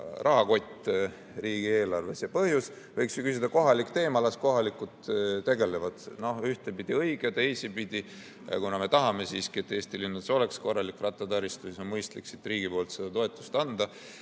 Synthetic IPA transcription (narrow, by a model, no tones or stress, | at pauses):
rʔɑɦɑko̞t̪ʲːˑ | riːɡ̥ie̞ːlɑrve̞sjɑpɤhjus | vɤjksjukysid̪̥ɑko̞ɦɑlikt̪e̞ːmɑlɑsko̞ɦɑlikˑut̪t̪e̞ɡe̞levɑd̪̥no̞hyht̪epid̪̥iɤjɡ̥ed̪̥e̞ːsipid̪̥ʲi | jɑ̰kunɑme̞t̪ɑɦɑme̞siːskiet̪ːˑeːst̪ilinːuso̞leksko̞rːɑlikːˑrɑt̪ːˑɑt̪ɑɾist̪usisonmɤjst̪liksit̪ːˑriːɡ̥ipo̞ːlt̪sed̪̥ɑt̪o̞e̞t̪ːˑu̥st̪ɑnd̪̥ɑ